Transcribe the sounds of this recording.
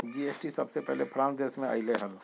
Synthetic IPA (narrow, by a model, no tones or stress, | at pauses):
d͡ʒieːsʈisɐbsepɛɦlepʰɾãːnsdeːsmẽa̰ːɪleɦəl